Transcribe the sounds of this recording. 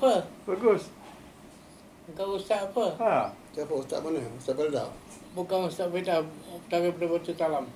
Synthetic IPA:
pəbaɡʊs | əŋkawust̪aʔapəat͡ʃapəust̪a̰ʔmanəust̪aʔbəlda̰w | bukanust̪aʔpedataɾipəɾabət̪ut̪alam

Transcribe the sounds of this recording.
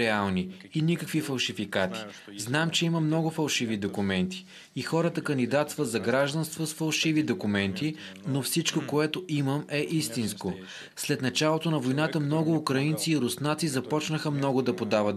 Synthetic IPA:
ɾɛalˠni | inikəkvifɐlˠʃifikat̪i̥znamt͡ʃɛiməmnɔɡʊfɐlˠʃivid̪okumɛnt̪i̥ː | xɔɾət̪əkənd̪id̪at̪st̪vəzɐɡɾaʒd̪ɐnst̪vosfɐlˠʃivid̪okʊmɛnt̪inofsit͡ʃkokoɛt̪oʔiməmɛʔist̪insko | slɛt̪nɐt͡ʃalˠot̪onɐvojnat̪əmnɔɡʊːkɾɐint̪siːɾʊsnat̪sizɐpɔt͡ʃnəxəmnɔɡʊd̪ɐpod̪avət̪

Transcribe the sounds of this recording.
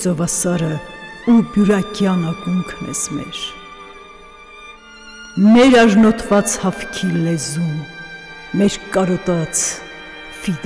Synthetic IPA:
zɔvɑsɑɾəubjuɾɑkjɑnɑkuŋkʰnɛ̰zmɛ̰ɾ | mɛɾɑʒnɔt̪ʰvɑt͡shɑfkʰilɛzumː | ɛɾkɑɾɔt̪ɑt͡sʰ | fid̪

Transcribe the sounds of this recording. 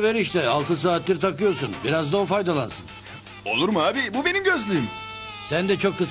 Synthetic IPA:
veɾiʃt̪ʰɛalˠt̪ʰɯs̬aːt̪lʲiɾt̪ʰakɯjo̞ɾsunbiɾazd̪oufajd̪alˠa̰nsɯn | o̞lˠuɾmaːbibube̞nimɟøzlʲim | sænd̪ɛt͡ʃʰo̞kʰːɯs

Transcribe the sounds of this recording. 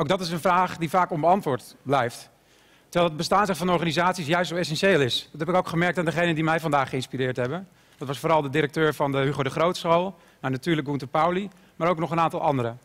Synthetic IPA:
owkdɑtɪs̬ənvraːχdivaːkɔmbəɑntʋʊːɹtblɛjft | təɹʋɛjlˠədbəstaːnzɛtfɑnɔɹχaːnizaːtsis̬jœɥstsowɛs̬ɛnʃeːlˠɪsdɑtɦɛpɪkowkχəmɛɹk̚taːndəχejnəndimɛjvɑndaːχəɪnspiɾɪːɹtɦɛbən | d̥ɑtʋɑsfoːɾɑlˠdədɪɾək̚tøːɹvɑndəɦyχodəχrowtsχolˠ | nawnatyːɹləkɡuntəpawli | maːɾowknɔχənaːntɑlˠʔɑndəɾə

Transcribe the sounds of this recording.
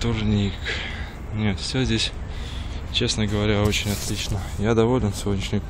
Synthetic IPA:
t̪ʊrnʲik | nʲet̪fsʲozʲdʲesʲ | t͡ɕe̞snəɡəvɐɾʲao̞t͡ɕɪnʲɐt̪lʲit͡ɕnəjad̪ɐvolʲɪnsʲɪvo̞dʲnʲɪʂnʲɪ

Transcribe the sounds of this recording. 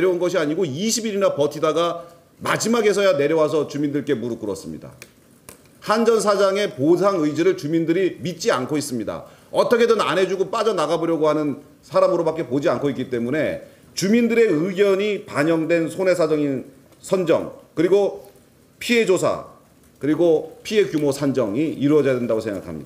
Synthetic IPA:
eɾjʌunɡʌɕʰiaɲiɡoiɕʰibiɾinapʌtʰidaɡa | ma̰d͡ʑimaɡe̞sʰʌjane̞ɾjʌwas̬ʰʌt͡ɕumindɯɭk͈e̞muɾɯk͈ɯɾʌs͈ɯmɲḭda̰ | hand͡ʑʌns̬ʰad͡ʑaŋe̞pos̬ʰaŋɯjd͡ʑeɾɯɭt͡ɕumindɯɾimit̚t͡ɕ͈iankʰois͈ɯmɲida̰ | ʌt͈ʌkʰe̞dɯna̰nɦe̞d͡ʑuɡop͈ad͡ʑʌnaɡabʌɾjʌɡohanɯn | sʰaɾamɯɾobak͈e̞pod͡ʑiankʰoik͈it͈e̞mune̞ | t͡ɕumindɯɾe̞ɯɡjʌɲipaɲʌŋdwe̞nsʰone̞sʰad͡ʑʌŋin | sʰʌnd͡ʑʌ̰ŋkɯɾiɡo | pʰie̞d͡ʑosʰa̰ | kɯɾiɡopʰie̞kjumosʰand͡ʑʌŋiiɾwʌd͡ʑʌjadwe̞ndaɡosʰe̞ŋɡa̰kʰamɲidaa

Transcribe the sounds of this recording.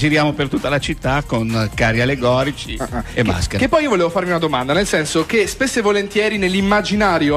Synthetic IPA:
d͡ʒiɾjaːmopert̪ut̪ːalat͡ʃit̪ːakonkaɾialːeɡɔːɾit͡ʃiemːa̰skekepːɔjiːovoleːvofaɾmiunad̪omand̪anelsɛnsokespesːevolent̪jɛːɾinelːimːad͡ʒinaːɾjo

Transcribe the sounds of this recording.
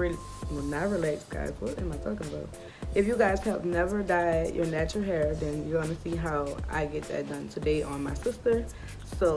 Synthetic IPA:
ɹi | wə̃naɪɹileɪtsʰɡ̥a̰ɪzwʌɾɨ̰̃nmaɪtʰɔkɪ̃nəbaʊt̚ | ɨfjɨɡaɪz̥hɨvnɛvə˞daɪjə̰˞næt͡ʃɹl̩ˠɦɛɹðɨ̃njɨɡɑnɨsiɦaʊa̰ɪɡɛt̪̚ðɨ̰t̚d̥ʌ̃ntʰɨdeɪʔə̃nmaɪsɪstə˞ | soʊ

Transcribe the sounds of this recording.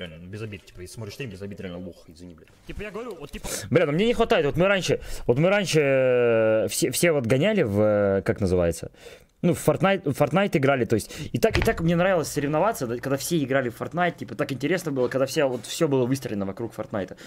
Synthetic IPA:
alʲnənubʲɪzɐbʲit̪̚tʲi̥pəjesʲsmoɾɪʂst̪ʲemʲbʲɪzɐbʲit̪ɾʲɪalʲnəboxɪzvʲɪnʲiblʲ | t̪ʲipəjaɡəvɐɾʲuvot̪tʲːiblʲenmnʲenʲɪxvɐt̪aɪt̪vo̞t̪mɨɾanʲʂɨvo̞t̪mɨɾanʲʂɨ | fsʲefsʲevot̪ɡɐnʲælʲɪvəkaknəzɨva̰jɪt̪sə̰ | nuffɐrt̪najt̪fɐrt̪najt̪ɪɡɾalʲɪt̪oɪsʲtʲɪt̪akɪt̪akmnʲe̞nɾavʲɪlˠəsʲsəɾʲɪvnɐvat̪səd̪kɐɡd̪afsʲeɪɡɾalʲɪffɐrt̪najt̪̚tʲipət̪akɪnʲtʲɪɾʲe̞snəbɨlˠəkɐɡd̪afsʲevot̪fsʲɵbɨlˠəvɨst̪ɾʲəlʲɪnəvɐkɾukfɐ̰rt̪najt̪ə̥

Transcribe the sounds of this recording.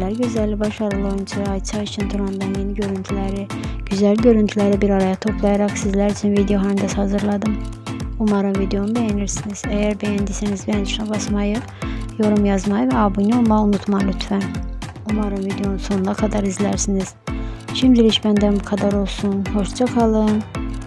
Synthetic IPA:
læɾɟøzælʲːibɑʃɑɾalˠojunt͡ʃʰɯɑjt͡ʃʰɑit͡ʃʰint̪ʰuɾɑnd̪ɑnjeniɟø̞ɾynt̪ʰylʲæɾi | ɟ̥yzælɟø̞ɾynt̪ʰylʲæɾibiɾɑɾajat̪ʰo̞pʰlˠɑjaɾɑχsizlæɾyt͡ʃʰynvid̪ejo̞ɦanɯnd̪ɑshɑzɯɾlˠɑd̪ɯmumɑɾɯnvid̪eo̞nud̪ɛjeniɾsiniz̥æjæɾbæjænd̪isænizbɛjænt͡ʃʰynabɑsmɑjɯ | jo̞ɾumjɑzmɑjɯvɛɑbujnuo̞lˠmaunut̪ʰmɑlʲyt̪fæn | umɑɾɯnvid̪ejo̞nuso̞nunakʰad̪ɑɾizlʲæɾsiniz̥ʃimd̪iɾiʃbænd̪ænbukʰad̪aɾo̞lˠsunho̞ʃd͡ʒʰakʰɑlˠɯn

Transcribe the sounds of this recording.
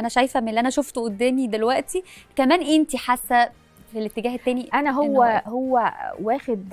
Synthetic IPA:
ʔænæʃæjfæmenlːiʔænæʃoft̪ʔod̪ːæːmid̪elwæʔt̪ikæmæːnʔent̪iħasːæ | lelʔet̪ːeɡæːhet̪ːæːniʔænæɦowːæhowːæwæːxed̪

